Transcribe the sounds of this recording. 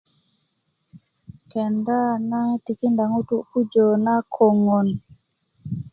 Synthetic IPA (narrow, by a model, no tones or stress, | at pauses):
kɛndanatikindaŋutuʔkud͡ʒɔːnakʰɔŋɔn